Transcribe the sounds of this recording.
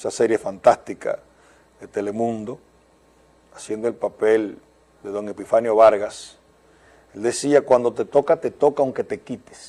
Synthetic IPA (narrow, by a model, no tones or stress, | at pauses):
esase̞ɾje̞fant̪ast̪ikʰa̰ | ðet̪e̞lemũnd̪o̞ | asje̞nd̪oe̞lpapel | d̪e̞ðo̞ŋepifanjo̞βaɾɣas | e̞ld̪e̞siakwand̪o̞t̪et̪o̞kat̪e̞t̪o̞kauŋke̞t̪e̞kit̪e̥s